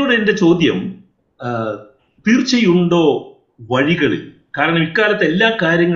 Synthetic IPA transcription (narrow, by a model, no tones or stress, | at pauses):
oɽende̞t͡ɕo̞ːd̪jɐm | t̪iːrt͡ɕːɐjuɳɖo̞ː | ʋɐɻiɣɐɭḭl | kaːɾɐɳɐmikːaːlɐt̪ːe̞lːaːkaːɾjɐŋːɐ